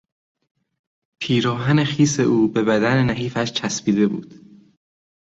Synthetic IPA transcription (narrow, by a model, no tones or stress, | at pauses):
pʰiːɾɒːɦæne̞xiːse̞ʔuːbe̞βæd̪ænenæɦiːfæʃt͡ʃʰæspiːd̪e̞bṵːd̪̥